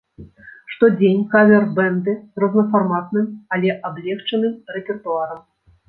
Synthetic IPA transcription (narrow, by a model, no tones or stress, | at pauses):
ʂt̪ɔd͡zʲenʲkavʲɛrbɛnd̪ɨrɔznɐfarmat̪̚nɨmalʲɛʔablʲɛxt͡ʂɐnɨmrɛpʲɛrt̪uaɾɐm